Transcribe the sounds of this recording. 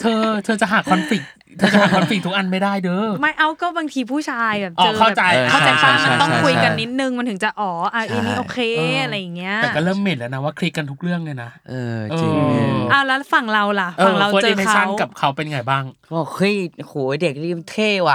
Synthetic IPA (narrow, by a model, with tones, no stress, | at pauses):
t̪ʰɤː˧t̪ʰɤː˧t͡ɕa˨˩ɦaː˨˩kʰːɔ˧nfi˨˩k̚ | t̪ʰɤː˧t͡ɕa˨˩haː˨˩ɔ˧fi˨˩k̚t̪ʰu˦˥kʔa˧nma˥˩jdaː˥˩jdɤː˧ma˦˥˩jʔa˧˥wkɔː˥˩baː˧ŋt̪ʰiː˧pʰuː˥˩t͡ɕʰaː˧jbɛː˨˩ʔɔː˧˨˩kʰa˥˩˨t͡ɕa˧jʰa˥˩t͡ɕa˧fa˧˩a˧ɔ˥˩kʰu˧jka˧nːi˦˥t̪̚nɯ˧ŋma˧nt̪ʰɯ˩˦t͡ɕa˨˩ʔɔː˨˩˦ʔaː˧˩ʔi˧niː˦˧˥ʔoː˩˧kʰeː˧a˧ɾa˧jːa˨˩ŋːi˦˥ɐɛː˨˩kɔː˥˩ɾɤː˥˩mːe˨˩nlɛː˦˥wna˦˥waː˥˩kʰɾi˦˥kːa˧nt̪ʰu˦˥k̚ɾɯ˥˩əŋlɯ˧˩jna˦˥ʔɤː˧ʔɤːi˧ʔaː˧˩wlɛː˦˥fa˨˩ŋɾa˧wla˨˩fʔɤː˨˧la˧weː˧na˧˥˦sʰa˥˦˩nka˨˩p̚kʰa˦˥wpe˧nja˧ŋa˧˩jbaː˥˩ŋɔː˧˩xʰɯ˦˥˩jhuː˨˩˦de˨˩k̚ɾi˧˩mt̪ʰeː˥˩wa˧˩